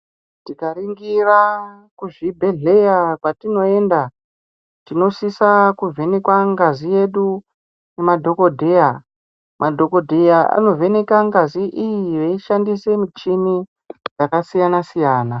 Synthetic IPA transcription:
tikariŋɡira | kuʐibʱe̞ɮe̞jakwatino̞e̞nda | tino̞sisakuvʱe̞ne̞kwaŋɡazije̞ɗu | ne̞madʱo̞ko̞dʱe̞ja | mʔadʱo̞ko̞dʱejaʔa̰no̞vʱe̞ne̞kaŋɡaziʔijiʋeiʃandise̞mut͡ʃimi | d͡zakasijanasijaːna

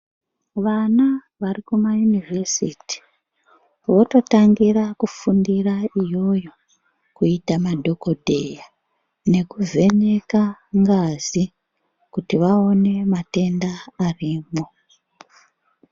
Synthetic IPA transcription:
ʋana | ʋarikumajunivʱesiːti̥ | ʋo̞to̞taŋɡirakufundiraijo̞jo̞ | kuitamadʱo̞ko̞dʱe̞ja | ne̞kuve̞ɲe̞kaŋɡazi | kutiʋao̞ne̞mate̞ndaːriːmo̞

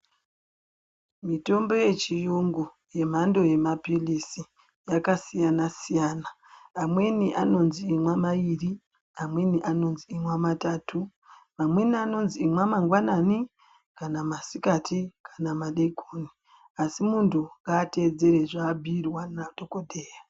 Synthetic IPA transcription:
mito̞mbo̞je̞t͡ʃijoŋɡu | je̞m̤ando̞je̞mapilisi | jakasijanasijaːnaː | mwe̞niʔano̞nziːmwamaʋiri | amwe̞niʔano̞nziːmwamataːtʰu | mamwe̞niano̞nziːmwamaŋɡwanani | kanamasikatikḁnamaɗeɡʰʱoːni | asimuntʰuŋɡaːte̞d͡ze̞ɾe̞ʐaːbʱiːrwanatokodʱeːja

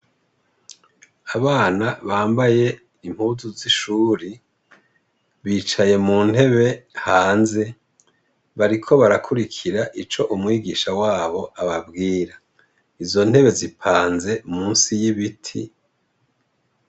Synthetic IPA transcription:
aβaːnaβaːmbaje̞ | imhuːzuziʃuːɾi | βiːt͡ʃaje̞muːn̥he̞βe̞haːnze̞ | βaɾikʰo̞βaɾakʰuɾikʰiɾaʔit͡ʃo̞ʔumŋiːɡiʃawaːβo̞ʔaβabɡiːɾa | izo̞n̥he̞βe̞zipʰaːnze̞umuːnsijiβitʰḭ

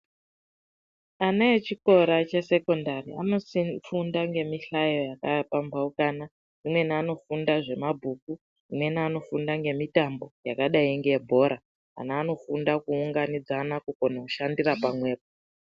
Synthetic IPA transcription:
anaet͡ʃiko̞ɾat͡ʃe̞se̞ko̞ndaria̰no̞sifundaŋɡe̞miɬajojakapambaukaːna | imwe̞nano̞fundaʐe̞mabʱuk̚u | imwe̞niano̞fundaŋɡe̞mitambo̞jakaɗaiŋɡeebʱo̞ɾa | a̰naːno̞fundakuːŋɡanid͡zanakukonouʃandirapamwe̞ːpo

